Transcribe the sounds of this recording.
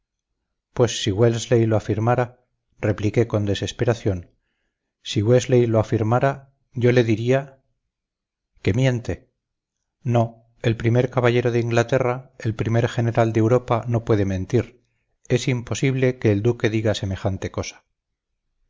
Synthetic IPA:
pwe̞sːiɣwelzlejloafiɾmaɾa | re̞plike̞ko̞nd̪e̞se̞spe̞ɾaθjo̞n | siɣwezlejloafiɾmaɾa | ʝo̞le̞ðiɾia | ke̞mjẽ̞nt̪e̞ | no̞ | e̞lpɾime̞ɾkaβaʝe̞ɾo̞ðeiŋɡlat̪e̞rae̞lpɾime̞ɾxe̞ne̞ɾald̪ewɾo̞pano̞pwe̞ðe̞mẽ̞nt̪iɾ | e̞simpo̞siβle̞ke̞ːld̪uke̞ðiɣase̞me̞xant̪e̞ko̞sḁ

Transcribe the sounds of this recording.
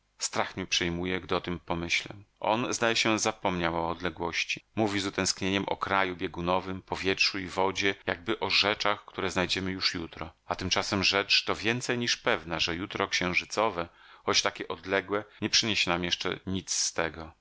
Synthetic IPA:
st̪ɾaxmʲipʂɛjmujɛɡd̪ɘɔt̪ɘmpɔmɘɕlɛ̰ʔɔ̰nzd̪ajɛɕɛzapɔmɲawɔːd̪lɛɡwɔɕt͡ɕimuvʲizut̪ɛ̃w̃skɲeɲɛmʔɔ̰kɾajubʲjɛɡunɔvɘmpɔvʲjɛtʂuivɔd͡ʑɛjaɡ̚bɘʔɔʐɛt͡ʂaxkt̪uɾɛznajd͡ʑɛmɘjuʂjut̪ɾɔat̪ɘmt͡ʂasɛmʐɛt͡ʂt̪ɔvʲjɛnt̪sɛjɲiʂpɛvnaʐɛjut̪ɾɔkɕɛ̃w̃ʐɘt̪sɔvɛ | xɔt͡ɕt̪akʲɛʔɔd̪lɛɡwɛɲɛpʂɘɲeɕɛnamjɛʂt͡ʂɛ̰ɲit̪sst̪ɛɡɔ

